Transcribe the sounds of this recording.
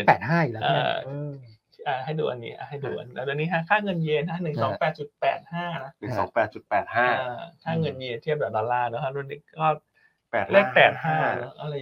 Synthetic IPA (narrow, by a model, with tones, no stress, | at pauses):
pɛː˨˩t̪̚ɦaː˥˩ju˨lʔa̰ː˨˥˩ | ʔaː˧˩ha˥˩jduː˧ʔa˧nːḭː˦˥ʔa̰ː˧˩ɦa˥˩jduː˧ʔa̰˧nː˧˦˧du˧nːiː˦˥kʰa˦˥kʰaː˥˩ŋɤ˧njeː˧nt̪ʰa˦˥nɯ˨˩ŋsɔː˩˦˩pɛː˨˩t̪̚t͡ɕu˨˩t̪̚pɛ̰ː˨˩t̪̚haː˥˩na˦˥ʔnɯ˨˩˨sɔ̰ː˩˦ŋpɛː˨˩t̪̚t͡ɕu˨˩t̪̚pɛː˨˩t̪̚haː˥˩ʔaː˧˩kʰaː˥˩ŋɤ˧nmiː˧˩t̪ʰi˥˩p̚dɛː˨˩dɔː˧lːaː˥˩naː˦˥kʰa˦˥du˧niː˦˥kɔː˥˩ | p̚ːleː˥˩pɛː˨˩t̪̚haː˥˩˧nɔ˦˥ʔa˧ɾa˧j